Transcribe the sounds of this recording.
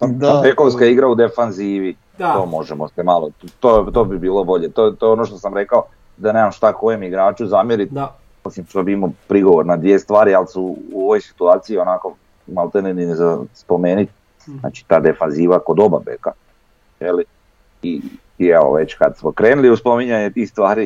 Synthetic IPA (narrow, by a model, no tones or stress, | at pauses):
oabekoʋskaiɡɾaud̪efanziːʋi | t̪o̞ːmo̞ʒemo̞semalot̪ot̪o̞bibiːlˠobo̞ʎet̪ot̪oeonoʃ̬t̪osamɾe̞kao | d̪anezamʃt̪ako̞jemiɡɾaːt͡ʃuzaːmjeɾit̪ | isimʃt̪obiimopɾiɡo̞ʋoɾnad̪ʋiest̪ʋaːɾialsuːoʋo̞jsi̥t̪uaːt̪siio̞nako̞ | malˠt̪eneninzaspo̞me̞ːnit̪̚ | na̰ːt͡ʃi̥t̪aːd̪efanziːʋakod̪o̞ba̰bḛka̰ | jeli | i | ieʋo̰ʋe̞t͡ɕkad̪smokɾeːnuliuspo̞miɲaɲet̪ixst̪ʋaːɾi